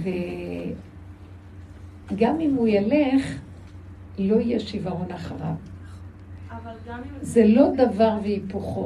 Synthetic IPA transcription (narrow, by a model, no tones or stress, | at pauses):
ve | ɡamimujaleχ | lo̞ijeʃivaʁonaχaʁa̰v | zelo̞d̪avaʁveipuχo